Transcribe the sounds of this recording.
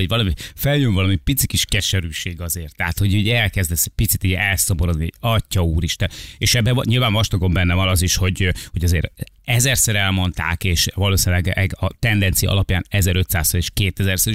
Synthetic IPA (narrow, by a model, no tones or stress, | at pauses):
oɟvɒlɒmifɛljøɱvɒlɒmipit̪sikiʃkɛʃɛɾyːʃeːɡɒzeːrt̪ːɛɦat̪ho̞ɟuːɟɛlkɛzd̪ɛsɛpit̪sit̪iɟɛlsoboɾod̪niɛ̰ɒcːɒuːɾiʃt̪ɛneːʃɛbːɛvɲilvaːɱvɒʃt̪ɒɡo̞mbɛnːɛvɒnɒziʃho̞ɟho̞ɟɒzeːɾɛzɛrsɛɾɛlmo̞nt̪a̰ːkeːʃvɒloːsinlɛɡɛɡɒt̪ɛnd̪ɛnt̪sijɒ̰ɒ̰lɒpjaːnɛzɛɾøt̪saːsɒleːʃkeːt̪ɛzɛrsɛɾi